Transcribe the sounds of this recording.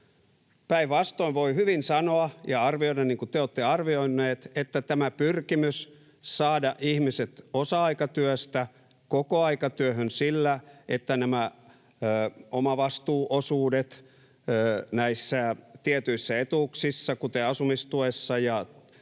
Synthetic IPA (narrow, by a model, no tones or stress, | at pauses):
pæiʋʋɑst̪oiʋʋoihyʋinsɑnoɑjɑɑrʋioidɑniŋkut̪eoːt̪ːeɑrʋioinːeːt̪et̪ːæt̪æmæpyrkimys | sɑːdɑʔihmiset̪osɑɑikɑt̪yøst̪æ | kokoɑikɑt̪yøhønsilːæʔet̪ːænæmæ | əːomɑʋɑst̪uːʔosuːdet̪ː | næisːæt̪iet̪yisːæet̪uksisːɑkut̪eɑsumist̪uesːɑjɑ